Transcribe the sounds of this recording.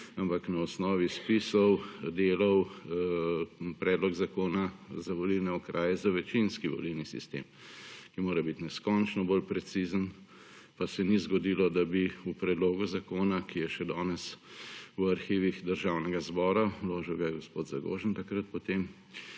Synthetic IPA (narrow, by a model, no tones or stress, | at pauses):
ampaknaɔsnɔːʋispisɔwd̪eːlɐw | pɾɛːd̪lɔɡzakoːnazaʋɔlilnɛɔkɾʔaːjɛzaʋɛt͡ʃinskiʋɔ̰lilnisḭst̪ḛːmkimoːɾɛbit̪nɛskɔnt͡ʃnɔbolpɾɛt̪sizən | pasɛnizɡɔd̪ilɔd̪abiupɾɛd̪loːɡuzakoːnakijɛʃɛd̪ɔːnɛs | waɾxiːʋixd̪əɾʒawnɛɡazbɔːɾawloːʒiwɡajɛɡospoːd̪zaɡo̰ːʒənt̪akɾət̪pɔt̪eːm